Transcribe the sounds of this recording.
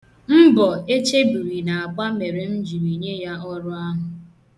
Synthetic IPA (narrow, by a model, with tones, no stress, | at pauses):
m̩˦bɔ˨e˦t͡ʃe˦bi˨ɾi˨na˨a˨k͡pa˦me˨ɾe˨n̩˦d͡ʒi˨ɾi˨ɲe˦ja˦ɔ˦ɾʊ˦a˦ɦʊ˨